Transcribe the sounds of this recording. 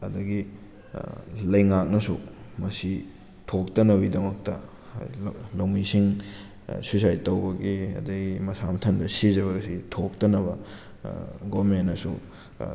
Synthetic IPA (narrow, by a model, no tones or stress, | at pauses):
ɐ̰dɐɡi | lɐjŋak̚nɐsumɐsi | tʰok̚tɐnɐwidɐmɐk̚tɐ | lɐwmisiŋ | susajtɐwbɐɡiɐ̰dɐɡimɐsamɐtʰɐndɐsizɐβɐɡɐsitʰok̚tɐnɐbɐ | ɡomenːɐsṵ